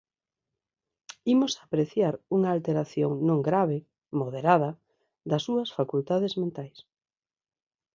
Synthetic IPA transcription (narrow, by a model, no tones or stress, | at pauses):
imʊsapɾeθjaɾuŋaːlt̪eɾaθjoŋnõŋɡɾaβ̞e | moð̞eɾað̞ɐ | d̪ɐsːuɐsfakult̪aðezmẽnt̪ajs